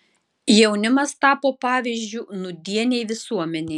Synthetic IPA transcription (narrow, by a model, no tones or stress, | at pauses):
jɛʊnʲɪmɐst̪ɑːpoːpɑːʋʲizʲd͡ʒʲʊnʊd̪ʲiɛnʲɛɪʋʲɪsuɔmʲɛnʲɛɪ